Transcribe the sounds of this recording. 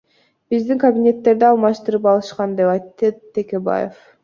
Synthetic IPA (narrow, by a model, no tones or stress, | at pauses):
b̥izd̪iŋkɐbʲinʲe̞t̪ːe̞ɾd̪iɑlˠmɑʃt̪ɯɾɯpɑlˠɯʃqɑnd̪e̞pɑjt̪ːɯt̪ːe̞ke̞ba̰jḛf